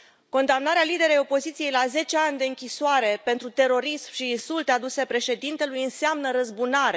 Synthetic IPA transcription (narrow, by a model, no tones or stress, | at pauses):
ko̞nd̪amnaɾealid̪e̞ɾejo̞po̞zit̪sijejlaze̞t͡ʃe̞anʲd̪e̞ɨŋkʲisoaɾe̞pe̞nt̪ɾut̪e̞ɾo̞ɾismʃiːnsult̪ead̪use̞pɾe̞ʃe̞d̪int̪e̞lujɨnseamnəɾəzbunaɾe